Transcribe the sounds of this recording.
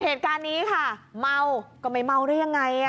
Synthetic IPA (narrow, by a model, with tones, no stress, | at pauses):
heː˨˩t̪̚kaː˧nːiː˦˥kʰa˥˩ma˧wkɔː˥˩ma˥˩jma˧wɾɯː˥˦ja˧ŋːa˧j